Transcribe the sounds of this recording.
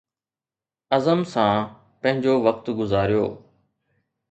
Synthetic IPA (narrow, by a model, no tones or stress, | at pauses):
əzəmsãː | pə̃ɦɪ̃ɲd͡ʑoːʋək̚t̪ɡʊzaːɾjo̰ː